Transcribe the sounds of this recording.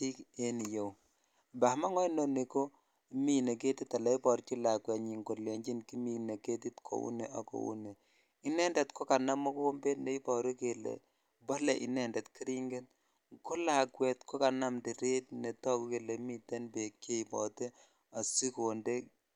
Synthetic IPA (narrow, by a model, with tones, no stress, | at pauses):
i˦ke˦ni˨jo˨w | mba˨˦ma˦ŋɔ˦no˦ni˨ko˦ | mi˦ne˨ke˦ti˦tːa˨lɛ˦i˦pɔ˨ɾt͡ʃi˦la˨kwɛ˨tɲi˨ŋɡo˨le˨ɲd͡ʒi˦nki˦mi˨ne˨ke˦ti˦tkʰo̰˨ṵ˦ne˨ʔa˨ko̰˨ṵ˦ne˨ | i˦nɛ˦ndɛ˨tko˦ka˨na˦mo˦ko˦o˦mbe˦tne˨˦i˦pɔ˨ɾi˦ke˨lɛ̰˨ | bɔ˦lɛ˨ʔḭ˦nɛ˨ndɛ˨tki˦ɾi˦ŋɡe˦t̚ | ku˦la˨kwɛ˨tko˦ka˨na˦mdi˨ɾe˦t̚ne˨tɔ˦ku˦ke˨le˨mi˦tɛ˦nbe˨kje˦i˨bɔ˨te˦ | a˨si˦ko˨nde˦